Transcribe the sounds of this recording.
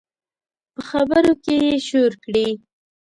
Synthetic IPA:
pəxabəɾokejeʃoɾkɽi

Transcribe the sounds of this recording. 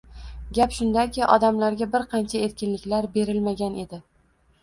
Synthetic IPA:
ɡʲapʃʊnd̪akʲɪʔɒ̰d̪amlaɾɡʲabɪɾqʰɑnt͡ʃʰae̞ɾkʲɪnlɪkʲlaɾbe̞ɾɪlmaɡʲane̞d̪ɪ

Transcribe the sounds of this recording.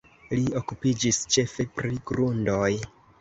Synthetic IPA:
lio̞kupid͡ʒist͡ʃe̞fe̞pɾiɡɾundo̞j

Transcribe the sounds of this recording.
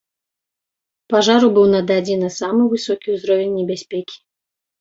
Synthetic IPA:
paʐaɾubɨwnɐd̪ad͡zʲinɐsamɨvɨsɔkʲiuzɾɔvʲenʲːɛbʲasʲpʲɛkʲi̥

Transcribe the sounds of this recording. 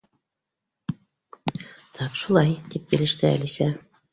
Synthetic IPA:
t̪ʰɑpʃulˠɑjt̪ip̚bĭlɘ̆ʃt̪ɘæ̰lisæ

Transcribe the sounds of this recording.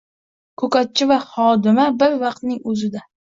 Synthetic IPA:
kʰɵkat̪̚t͡ʃʰɪvahɒd̪ɪmabɪɾvɑqt̪nɪŋɵzɪd̪a

